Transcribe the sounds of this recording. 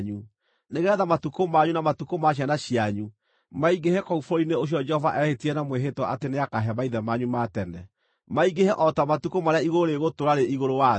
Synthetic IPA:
ɲu | neɣeɛðamatukomaɲunamatukomaɕ̬ianaɕiaɲu | maiɡehɛkɔufooineoɕ̬iɔd͡ʒɛhɔvaʔɛhetiɛnamweɦetwɔʔateneakaɦamaiðɛmaɲumatɛnɛ | maiɡehɛʔɔtamatukomaɾeaiɣoɾeɣotoɾaɾeiɣoɾowa

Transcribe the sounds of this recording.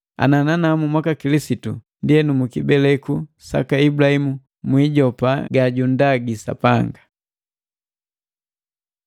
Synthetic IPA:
a̰nananamumwakakilisitṵndiɛnumukibɛlɛkusa̰kaibulahimu | mwiɟɔpaɡaɟundaɡisa̰paŋɡa

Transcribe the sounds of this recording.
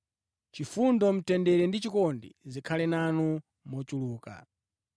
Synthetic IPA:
t͡ʃifundɔm̩tɛndɛɾɛndit͡ʃikɔndḭzikʰalɛnanɔ | mɔt͡ʃuluːka̰

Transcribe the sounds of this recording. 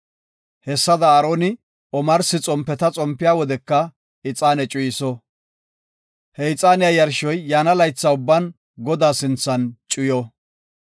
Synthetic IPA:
hɛsːɐd̪ɐːɾoːnɪ | ɔmɐɾsɪt͡sʼɔmpːɛt̪ɐt͡sʼɔmpːɪjaːwɔd̪ɛkːɐ | ɪt͡sʼaːnɛt͡ʃʼʊjɪsɔ | hɛɪt͡sʼaːnɪjajɐɾʃɔjːaːnɐlɐjt͡sːaʊbːɐn | ɡɔd̪aːsɪnt͡sːɐnt͡ʃʼʊjɔ

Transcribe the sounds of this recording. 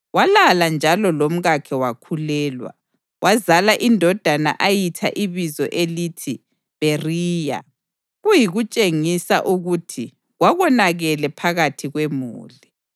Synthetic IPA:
walaland͡ʒʱalɔlom̩ɣakʰɛwakʰulɛːlwa̰ | wʔazalaʔindʱɔd̥ʱana̰ʔajitʰa̰ʔiβizɔʔelitʰi | βeriːja̰ | ɣujiɣut͡ʃʼeŋisa̰ʔuɣutʰi | ɣwaɣɔnaɣɛlɛpʰaɣatʰiɣwemṵːli

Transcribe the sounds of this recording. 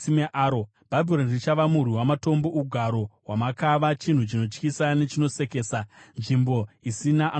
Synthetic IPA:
imeʔaːɾo | b̥ʱabʱilonrit͡ʃaʋamuriwamato̞mbouɡʱaɾo̞wamakaʋat͡ʃin̤ut͡ʃino̞t͡ʃkisane̞t͡ʃino̞se̞ke̞ːsanʐimbo̞isinaʔa

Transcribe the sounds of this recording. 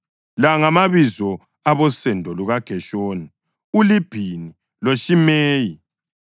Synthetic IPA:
laŋamaβizɔ | aβɔsɛndʱɔluɣaɡ̥ʱɛʃoːni | ulib̥ʱini | loʃimeːji

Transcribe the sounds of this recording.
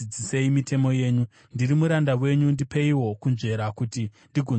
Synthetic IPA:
id͡zise̞imitʰe̞mo̞je̞ːɲu | ndiɾimuɾandawe̞ɲundipeiwo̞kunʐe̞ɾakutindiɡʱo

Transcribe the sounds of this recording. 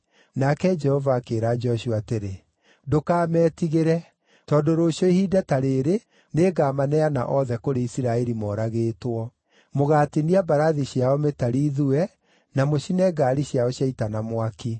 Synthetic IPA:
nakɛd͡ʒɛhɔvaːkeːɾad͡ʒɔɕuateɾe | dokaːmɛːtiɣeɾɛ | tɔndoɾoːʃjɔihiːdɛtaɾeːɾe | neːɡaːmanɛana̰ʔɔðɛkoɾeisiɾaɛɾimɔːɾaɣeːtwɔ | moɣateniabaɾaðiɕjaɔmetaɾiːðuɛ | namoʃinɛɡaːɾiɕjaɔɕjaitanamwaki

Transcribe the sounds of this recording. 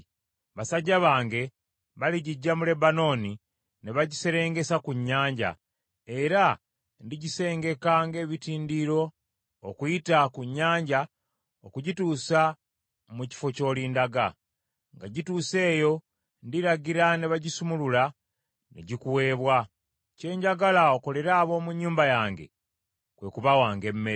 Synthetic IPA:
βasaɟaβaːŋɡe̞ | βaliɟiɟːamule̞bano̞ːni | neβaɟise̞ɾe̞ːŋɡe̞sakuɲːaːɲɟa̰ | e̞ɾa | ndiɟise̞ːŋɡe̞kaːŋɡe̞βitiːndiɾo̞ː | kujitakuɲːaːɲɟa | okuɟituːsa | muci̥fo̞co̞ːlindaɡa̰ | ŋɡaɟituːse̞ːjo̞ | ndiɾaɡiɾaneβaɟisumulula | nḛɟikuwe̞ːβwa | ce̞ːɲɟaɡalao̞ko̞le̞ɾaːβo̞ːmuɲːuːmbajaːŋɡe̞̰ | kwe̞ːkuβawaːŋɡe̞mːe

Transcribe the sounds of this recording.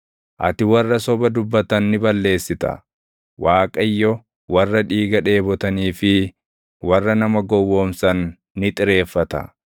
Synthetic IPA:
ʔɐ̰t̪ɪwɐrːɐsɔbɐd̪ʊbːɐt̪ɐnːɪbɐlːe̞ːsːɪt̪ɐ̰ | waːkʼɐɪjːɔ | wɐrːɐᶑiːɡɐᶑe̞ːbɔt̪ɐniːfɪ | wɐrːɐnɐmɐɡɔwːo̞ːmsɐnː | ɪt̪ʼɪɾe̞ːfːɐt̪ɐ̰

